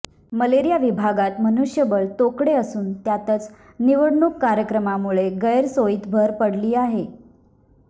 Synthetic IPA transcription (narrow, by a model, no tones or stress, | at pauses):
məleɾijaʋibʱaɡat̪mənuʂjəbəɭt̪okɽeəsuːnt̪jat̪ət͡s | niʋəɽɳukːaɾjəkɾəmamuɭeɡəjɾsoit̪bʱəɾpəɽliːaɦe